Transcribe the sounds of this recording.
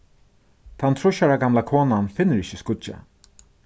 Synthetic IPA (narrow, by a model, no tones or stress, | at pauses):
t̪ʰant̪ʰɾʊʃaɹaɡamlakʰoːnanfɪnːəɾɪʃəskʊa̰